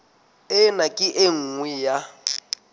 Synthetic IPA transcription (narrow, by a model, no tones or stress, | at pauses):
ɪnakʼɪʔeŋ̩ŋwɛja